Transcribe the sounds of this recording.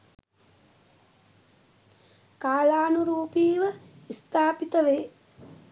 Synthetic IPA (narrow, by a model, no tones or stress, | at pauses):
kaːlaːnuɾuːpiːʋə | ist̪aːpit̪əʋeː